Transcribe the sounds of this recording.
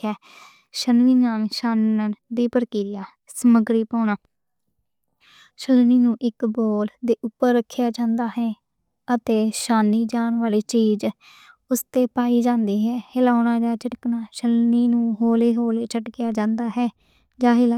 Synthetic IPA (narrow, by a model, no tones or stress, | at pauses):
ɛː | ʃənʋiːnaːmʃaːnd̪iːpəɾkiːɾɪjaː | səməɡɾiːpaːnaː | ʃəlniːnũːʔɪkboːld̪eːʔʊpːəɾːəkʰːjaːd͡ʒãːnd̪aːɦɛː | ət̪eːʃaːniːd͡ʒaːnʋaːleːt͡ʃiːd͡ʒ | ʊst̪eːpaːiːd͡ʒãːnd̪iːɦɛːhɪlaːʊnaːd͡ʒaːt͡ʃɪʈknaːʃəlniːnũːɦoːleːɦoːleːt͡ʃʰəʈkjaːd͡ʒãːnd̪aːɦɛː | d͡ʒãːɦɪla